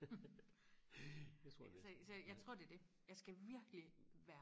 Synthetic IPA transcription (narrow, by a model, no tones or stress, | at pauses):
t͡sʰʁo̰ssɒjɑ̈ɪt͡sʰʁo̝ɐ̰d̥e̝ɐd̥e̝jɑ̈ɪsɡ̥æʋiɐɡ̥liʋæːɐ